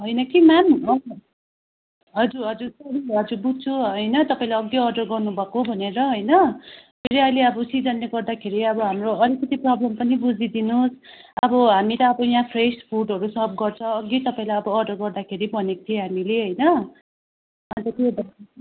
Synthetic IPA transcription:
ɦʌjnʌkimanʌ | ɦʌd͡zurɦʌd͡zuɾsʌɾiɦʌd͡zubut͡sʰuʌjnʌt̪ʌpaĩlajʌɡːeʌrɖʌrɡʌrnubʱʌkobʱʌneɾʌɦʌjnʌpʰeɾiʌjleʌbʌsid͡zʌnːeɡʌrd̪akʰeɾiʌbʌɦamroʌlikːʌt̪iprʌblʌmpʌnibud͡zid̪inusʌbʌɦamiɾʌʌbʌjãpʰrespʰurɖʌɾusʌb̚ɡʌrt͡sʰʌ̃ʌɡːet̪ʌpaĩlajʌbʌːrɖʌrɡʌrd̪akʰeɾibʌnekt̪ʰiẽɦamileɦʌjnʌ | ant̪ʌt̪ibʌ

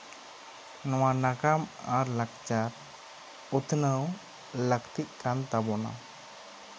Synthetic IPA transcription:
nɔwanakamaɾlakt͡ʃaɾ | ut̪ʰnəw | ləkt̪iʔkant̪abɔna̰

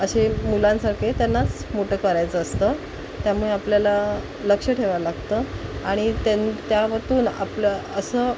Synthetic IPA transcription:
əɕemulãnsaɾket̪janːat͡smoʈʰəːkəɾajt͡səːst̪ə | t̪jamuɭeapljala | ləkʂəʈʰeʋalaɡt̪əaɽ̃it̪ent̪jaʋət̪uːna̰pləəsəː

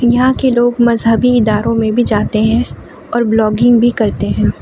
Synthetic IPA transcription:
jɐɦãkeloːɡmɐzɦəbiɪd̪aːɾõmẽbʱid͡ʒaːt̪eɦɛ̃ | ɔːɾblɔːɡɪ̃ŋɡbʱikɐɾt̪eɦɛ̃ː

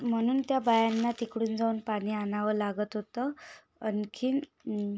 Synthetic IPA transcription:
m̤əɽ̃uːnt̪jabajanːat̪ikɽuːnd͡zaunpaɽ̃iːanaʋəlaɡət̪ɦot̪ə | ənkʰiːn

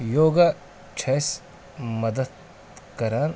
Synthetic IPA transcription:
joːɡa | t͡ʃʰɐs | mɐd̪ɐd̪ | kɐɾaːn

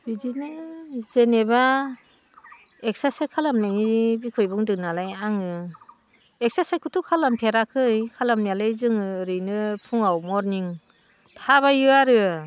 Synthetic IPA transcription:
bizinɯzeneba | ek̚sasekʰalamnajnibikʰɯjbuŋdɯnalajaŋɯ | ek̚sasakʰutʰukʰalampʰeɾakʰɯjkʰalamjalɯjzɯŋɯɾɯjnɯpʰuŋawmɔɾniŋ | tʰaβajɯaɾɯ

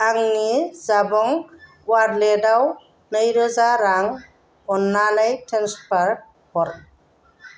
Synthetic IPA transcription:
aŋnizabɔŋ | wadledaw | nəjɾɯzaɾaŋ | ɔnːalajtɾanspaɾt̚ | hɔɾ

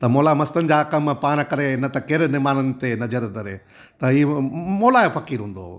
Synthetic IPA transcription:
t̪ɐmoːlamɐst̪ənɪ̆d͡ʑaːkɐmpaːñkɐɾenɐt̪ɐkeːɾnɪmaːnənɪ̆t̪enɐd͡ʑəɾd̪ɐɾe | t̪ɐiemoːlaepʰɐkiːɾɦũːn̆d̪o̰ː

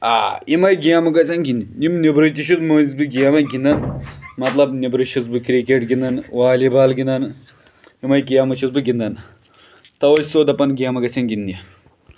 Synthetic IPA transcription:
a̰ːimɐjɡijamɐɡɐt͡sɐnɡʲind̪inimnibɾɨt̪iʃut̪mozbɨɡijamɐɡind̪ɐnmɐt̪lɐbnebɾɨʃuzbɨkɾikeːʈɡind̪ɐnʋaːlibaːlɡind̪ɐn | imɐjkijamɐʃusbɨɡʲind̪ɐn | t̪ɐwɐsʲsoːd̪ɐpɐnɡijamɐɡɐt͡sɐnɡind̪ijɐ

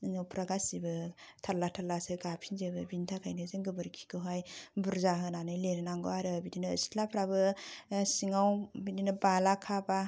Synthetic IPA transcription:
ŋawpʰɾaɡasibɯtʰalːatʰalːaseɡapʰinzebɯbintʰakʰajnɯzɯŋɡɯbɯɾkʰi̥kʰɯɦajbuɾzaɦɯnanɯjleɾɯnaŋɡoaɾɯbidinɯ̰ːsi̥tʰlapʰɾabɯsiŋawbidinɯbalakʰaba

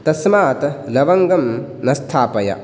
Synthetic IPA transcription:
t̪ɐsmaːt̪ɐlɐʋɐŋɡɐm | nɐst̪ʰaːpɐjɐ̰

